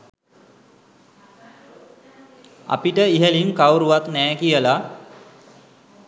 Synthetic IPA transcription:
a̰piʈəiɦeliŋkawɾuʋat̪nɛːkijəla

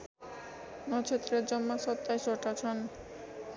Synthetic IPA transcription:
nɔt͡ɕʰet̪ːɾeɾd͡ʑɔmːaʃɔt̪ːaeʃoɾʈat͡ɕʰɔn

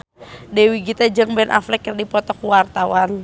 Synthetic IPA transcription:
dɛwiɡit̪ad͡ʒəŋbɛnʔa̰flɛkːərdipɔt̪ɔkuwart̪awan

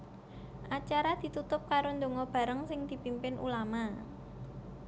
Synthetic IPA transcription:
ʔat͡ʃaɾad̪̥i̤t̪ut̪ʊp̚kaɾond̪o̤ŋɔb̥a̤ɾəŋsɪŋd̪̥i̤pimpɪnʔṵlama

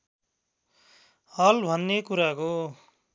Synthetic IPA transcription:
hʌlbʱʌnːekuɾako

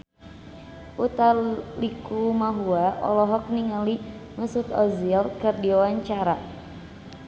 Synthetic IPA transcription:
ʔut̪alikumaɦuaʔɔ̰lɔɦɔk̚niŋaliŋəsut̪ɔzilkɨrdiawaɲt͡ʃaɾa

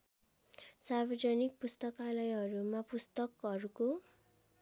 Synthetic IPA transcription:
sarbʌd͡zʌnik̚pust̪ʌkalʌjɦʌɾumapust̪ʌkʌɾuko

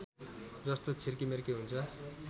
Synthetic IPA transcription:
d͡zʌst̪ot͡sʰirkimerkeɦunt͡sʰʌ

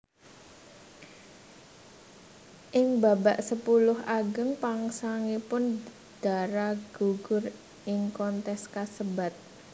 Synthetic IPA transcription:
ʔɪŋbabaʔsəpulʊɦaɡəŋpaŋsaŋipʊn | d̪̥a̤ɾaɡ̥uɡ̥ʊr | ʔɪŋkɔnt̪ɛskasəbat̪̚

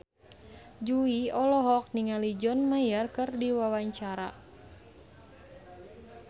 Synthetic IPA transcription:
d͡ʒuiɔlɔɦɔk̚niŋalid͡ʒɔnmajarkɨrdiwawaɲt͡ʃaɾa̰

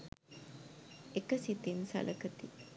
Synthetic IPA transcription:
ekəsit̪insɐ̰lʔəkət̪i

